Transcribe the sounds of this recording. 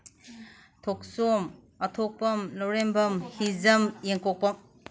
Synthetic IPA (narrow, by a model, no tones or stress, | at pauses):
tʰok̚som | ɐtʰok̚pɐmlɔɾembɐmhizɐmjeŋkok̚pɐm